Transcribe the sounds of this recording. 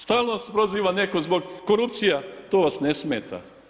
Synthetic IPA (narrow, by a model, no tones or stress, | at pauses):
st̪aːlˠnoʋaspɾoziːʋanekozbo̞ɡkoɾupt̪sijat̪oʋasnesmeːt̪a̰